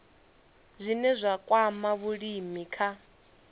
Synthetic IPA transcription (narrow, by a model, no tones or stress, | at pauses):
zʷinɛzʷakʼwamaβuɺimikʰa